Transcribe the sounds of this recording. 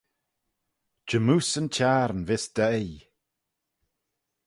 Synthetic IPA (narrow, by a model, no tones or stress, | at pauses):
d͡ʒəmuːsənt͡ʃʰaɾnvɪsd̪̥ɛj